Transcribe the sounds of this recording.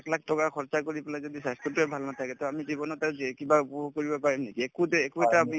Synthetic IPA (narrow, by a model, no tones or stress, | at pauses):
klakʰtɔkakʰɔɹt͡ʃakoɹipɛlajzod̪isajskutuɛbʱalnat̪ʰakɛt̪ɔamizibɔnɔtɛkibapɔbɔkoɹibɔpaɹimnekiekutekuɛtapni